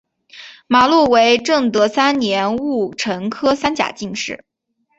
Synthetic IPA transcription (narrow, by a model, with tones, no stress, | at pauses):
ma˨˩lu˥˩we˧˥ɪʈ͡ʂɤ˥˩ŋt̪ɤ˧˥sa˥nnjɛ˧˥nu˥˩ʈ͡ʂʰɤ˧˥ŋkʰɤ˥sa˥nt͡ɕja̰˨˩t͡ɕi˥˧ŋʂɻ̩˥˩